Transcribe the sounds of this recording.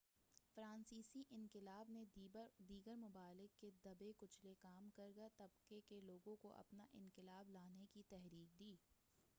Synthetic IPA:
fɾãːnsiːsiʔɪ̃ŋkɪlaːbned̪iːɡəɾmʊbaːlɪkːed̪ɐbekʊt͡ʃʰlekaːmkɐɾɡɐt̪ɐbkekeloːɡõkoʔɐ̰pna̰ʔɪ̃ŋkɪlaːblaːnekit̪ɛɦɾiːk̚d̪iː

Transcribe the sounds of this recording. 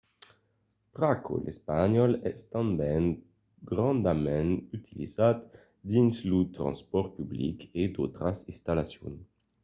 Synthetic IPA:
pʁakʰo̰lʔespaɲɔlɛst̪ɑ̃mbɛŋ | ɡʁɑ̃nd̪amɛ̃nyt̪ʰilḭzat̪ | d̪inslut̪ʁɑ̰̃nspɔʁpyblḭked̪ot̪ɾasĩst̪alasjo̰n

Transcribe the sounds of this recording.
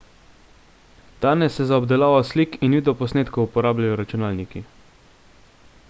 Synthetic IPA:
d̪̥aːnɛsːɛzaɔbd̪ɛlaːʋasliːkinʋiːd̪ɔpɔsneːt̪koupɔɾaːblajɔɾat͡ʃunaːlniki

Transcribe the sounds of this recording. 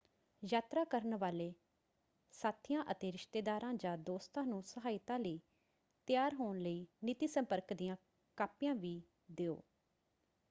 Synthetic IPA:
jaːt̪ɾaːkəɾənʋaːleː | saːt̪ʰɪjãːʔət̪eːɾɪʃt̪eːd̪aːɾãːd͡ʒãːd̪oːst̪ãːnũːsəɦaːɪt̪ãːləiː | t̪ɪjaːɾɦoːnləiːnɪt̪iːsə̃mpəɾkd̪ijãː | kaːpɪjãːʋiː | d̪eːo̰ː

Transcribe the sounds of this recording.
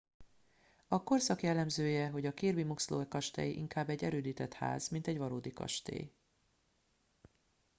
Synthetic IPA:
ɒko̞rsɒkjɛlːɛmzøːjɛɦo̞ɟɒkeːrbimukslo̰ːɛkɒʃt̪ɛ̰jiʔḭŋkaːbːɛɟːɛɾøːd̪iːt̪ɛt̪ha̰ːzmint̪ɛɟʋɒɾoːd̪ikɒ̰ʃt̪ḛː

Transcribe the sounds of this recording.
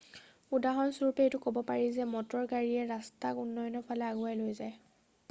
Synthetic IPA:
udaɦɔnsuɹpetʊkobɔpaɹizɛmɔtɔɹɡaɹiɛɹastakunːɔjɔnɔpʰalɛaɡʊajlojzaj

